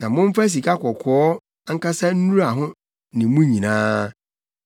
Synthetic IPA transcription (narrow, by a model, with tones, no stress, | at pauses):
nã˨mʊ̃˦m̩˦fa˦s̬i˨ka˦kɔ˨kʰɔ˦ | ŋ̩˦ka˦sa˦n̩˦nũ˦ɾa˨ɦʊ̃˦ | nɪ̃˨mũ˦ɲĩ˨nãː˦